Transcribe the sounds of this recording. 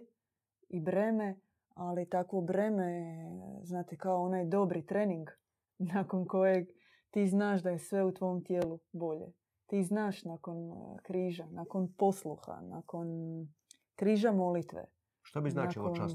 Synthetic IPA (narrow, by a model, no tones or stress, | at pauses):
ibɾeːme | alit̪akʋo̞bɾe̞me | znaːt̪ekaoonaːjd̪o̞bɾit̪ɾeːniŋɡ | nako̞nko̞jeɡ | t̪iːznaːʃd̪ajesʋe̞ut̪ʋo̞omt̪jeːlubo̞ʎḛ | t̪iːznaːʃnako̞nkɾiːʒanako̞npo̞slˠuxa̰na̰ko̞n | kɾiːʒamo̞lit̪ʋḛ | ʃt̪obiznaːat͡ʃilkon